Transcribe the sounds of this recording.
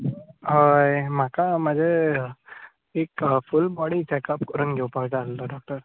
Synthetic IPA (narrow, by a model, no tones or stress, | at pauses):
ɦajmakaməd͡zʱe | ekfulbɔɽit͡ɕɛkapkəɾunɡʱewpaɡʈalt̪ɔɖɔk̚ʈəɾ